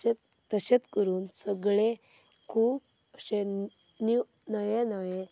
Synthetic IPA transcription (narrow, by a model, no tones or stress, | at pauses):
pɾəɕəd̪kəɾuːnsəɡɭekʰuːbəɕeninəjenaje